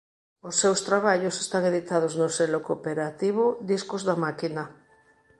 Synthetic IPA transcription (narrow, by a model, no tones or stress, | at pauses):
osːewst̪ɾaβ̞aʎosest̪aŋeðit̪að̞oznoselokopeɾat̪iβ̞od̪iskozðamakina